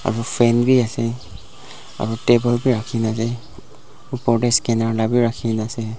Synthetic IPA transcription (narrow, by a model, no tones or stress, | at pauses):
a̰ɹupʰɛnbiasɛ | a̰ɹutebɔlbiɹakʰinasɛ | upɔdɛskɛnaɹlabiɹakʰinasɛ